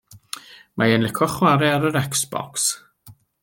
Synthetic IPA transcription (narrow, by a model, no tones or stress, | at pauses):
mʔajɛnlɪkʰɔχwaɾɪaɾəɾɛksb̥ɔ̰ks